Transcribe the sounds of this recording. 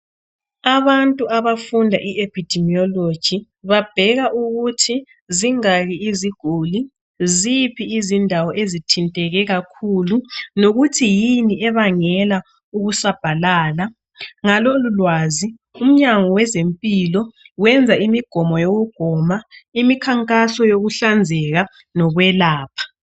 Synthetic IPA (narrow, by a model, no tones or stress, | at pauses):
aβantʼuaβafundʱa̰ʔiʔepʰid̥ʱɛmiɔlod̥ʒ̥ʱi | βab̥ʱɛɣaʔuɣutʰi | ziŋaɣiiziɡ̥ʱuli | zipʰiːzindʱawɔʔezitʰintʼɛɣɛɣakʰulunoɣutʰijiniʔɛβaŋɛla | uɣusab̥ʱalaːla | ŋalolulwazi | um̩ɲaŋɔwɛzempʼilɔwɛnd͡zʱaimiɡ̥ʱɔmɔjoɣuɡ̥ʱɔmaimikʰaŋkʼasɔjoɣuɬand͡zʱɛɣa | nɔɣwɛlaːpʰḁ